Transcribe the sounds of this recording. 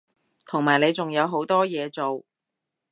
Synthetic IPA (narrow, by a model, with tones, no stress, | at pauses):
t̪ʰʊ˨˩ŋmaː˨˩jne˨˧jt͡sʊ˨ŋjɐ˨˧wɦo˨˥wt̪ɔː˥jɛː˨˧t͡so˨˩w